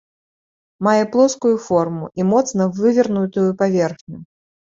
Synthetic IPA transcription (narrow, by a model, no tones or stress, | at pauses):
majɛplˠɔskujufɔrmuʔimɔt̪snɐvɨvʲirnut̪ujupavʲɛrxnʲu